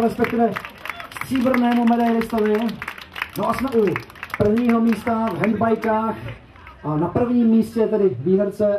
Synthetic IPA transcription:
ɾɛspɛkt̪ɪvɛspr̥iːbr̩nɛːmumɛdajlɪst̪avɲɛ | noʔasmɛʔupr̩vɲiːɦo̞miːst̪avɦɛnd̪bajkaːx | napr̩vɲiːmːiːscɛt̪ɛdɪviːɦɛɾt͡sɛ

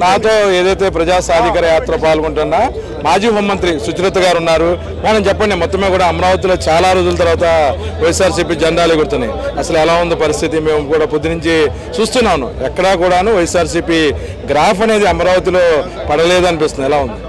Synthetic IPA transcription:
naːt̪o̞ːeːd̪ɐjt̪e̞ːp̬ɾɐd͡ʒaːsaːd̪ʱikɐɾɐjaːt̪ɾɐpaːlɡuɳʈunːaː | maːd͡ʒiːɦoːmːɐnt̪ɾisut͡ʃɾɐt̪ːɐɡaːɾunːaːɾu | manɐmt͡ʃɛpːɐɳɖimɔt̪ːɐmekuːɽaːɐmɐɾaːʋɐt̪̬ilo̞ːt͡ʃaːlaːɾud̪ulɐt̪̬ɐɾʋaːt̪ɐʋɐjɐsaːɾs̬iːp̬iːd͡ʒɛɳɖaːlekuɾt̪unːajɐsɐluɛlaːund̪ipɐɾist̪ʰit̪̬ime̞ːmukuːɽaːpud̪ːinuɲt͡ʃi | t͡ʃuːst̪unːaːnṵɛkːɐɽaːkuːɽaːnuːʋɐjɐsaːɾs̬iːpi | ɡɾaːpʰɐne̞ːd̪iɐmɐɾaːʋɐt̪̬ilo̞ː | pɐɽɐleːd̪uɐnipist̪unilaːund̪i

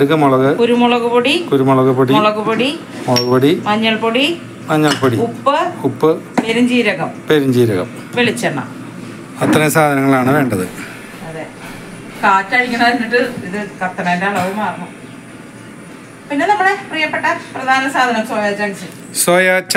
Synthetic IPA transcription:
ɐɽukːɐmoɭɐɣɐkuɾumoɭɐɣupoɽikuɾumoɭɐɣupːoɽimoɭɐɣupoɽi | moɭɐɣupoɽimɐɲːɐɭpoɽi | mɐɲːɐɭpoɽikupːɨkupːɨpeɾumd͡ʑiːɾɐɣɐmpeɾumd͡ʑiːɾɐɣɐ̰m | ʋelit͡ɕːɐɳːɐ̰ | ɐt̪rɐesaːd̪ʱɐnɐŋːɐɭaːɳɨʋe̞ːɳɖɐðɨ | ɐðe | kaːtːaːɻikʲːɐnːɐɐɾinːiʈːɨiðɨkɐt̪ːɐɳɐendaːɭɐʋɐmaːrnu | pinːe̞nɐmːɐɭeprijɐpːeʈːɐprɐd̪ʱaːnɐsaːd̪ʱɐnɐmsojaːt͡ɕːaɳit͡ɕːi | sojaːt͡ɕːɐ

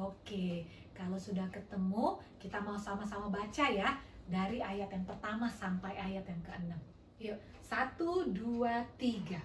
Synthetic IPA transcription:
oke | kalawsudahkət̪əmukit̪amausamasamabat͡ʃajadaɾiajat̪jaŋpərt̪amasampajajat̪jaŋkəənəm | ja | sat̪uduat̪iɡa

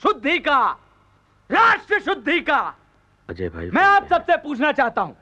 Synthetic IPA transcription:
ʃʊd̪ʱːika | ɾaːʃʈɾəʃʊd̪ʱːikaː | ɐd͡ʒḛːbʱa̰ːimɛ̃ːaːpsɐbsepuːt͡ʃʰnat͡ʃaːɦt̪aɦũː

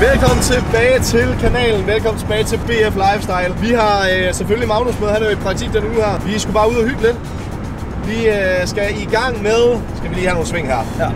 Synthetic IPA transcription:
ʋelkɒ̽m̰n̩t͡sʰe̝b̥ɛːɪt͡sʰe̝lkʰænɛ̰ːln̩ʋelkʰɒ̽mn̩t͡sʰe̝b̥ɛːɪt͡sʰe̝lb̥e̝̰ːeflɑ̈ɪfsd̥ɑ̈ɪlʋiɦɑ̈sefølimɑ̈ʊnosmøðˠhænæɐjoed̥̚pʰʁɑ̈ɡ̚t͡sʰḭɡ̥̚d̥enuːðˠhæɐ̰ʋisɡ̥ub̥ɑ̈ːuð̞ˠɒhyb̥led̥ | ʋisɡ̥æiɡ̥ɑ̈ŋ̰með̞ˠsɡ̥æʋiliːhæno̝ːn̩sʋe̝ŋ̰ɦæɐ̰

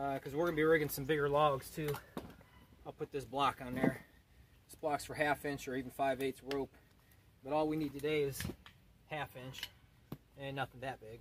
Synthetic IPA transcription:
ʌkʰʌzwɪɹɡʌnɨbiɹɪɡɨ̃ŋsʌ̃mbɪɡə˞lɔɡz̥tʰʉ | aɪlˠpʰʊt̪̚ðɪsblɑkn̩ðə˞ | ɪsb̥lɑksfə˞ɦæfɪ̃nt͡ʃə˞ivn̩faɪveɪtsɹoʊp | b̥ʌɾɔlˠwinid̚tʰɨdeɪɪz̥ | hæfɪ̃nt͡ʃ | ɨ̃nːʌθɪ̃ŋðɨt̚b̥ɪɡ̥̚

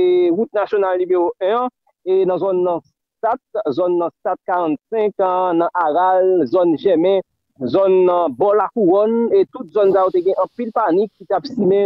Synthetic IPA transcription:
eɣut̪̚nasjonalnymeʁoʔœ̃ | enɐ̃zɔnːɐ̃s | tat̪̚zɔnːɐ̃stat̪̚kaʁãt̪sɛ̃knɐ̃ʔaɣalzɔnʒɛmɛ̃ | zɔñːbɔlakuʁɔnet̪ut̪̚zɔnsajot̪eɡɛ̃ʔɐ̃pilpanikːit̪apsimẽ

